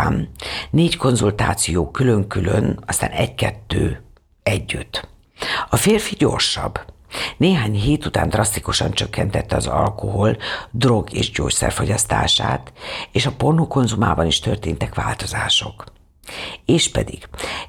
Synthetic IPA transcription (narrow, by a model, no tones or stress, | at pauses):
nneːcko̞nzult̪aːt̪sijoːkylø̞ŋkylønɒst̪aːnɛɟkɛt̪ːøː | ɛɟːyt̪ː | ɒfeːrfiɟo̞rʃɒ̰bː | neːɦaːɲɦeːt̪ut̪a̰ːnd̪rɒst̪ikuʃɒnt͡ʃø̞kːɛnt̪ɛt̪ːɛɒzɒ̰lko̞ɦo̞ld̪ro̞ɡḛːʒɟo̰ːcsɛ̰rfo̞ɟɒst̪a̰ːʃa̰ːt̪eːʃɒpo̞rnuko̞nzuma̰ːbɒniʃt̪ø̞rt̪eːnt̪ɛkʋaːlt̪o̞zaːʃo̞k | eːʃpɛ̰d̪iɡ̥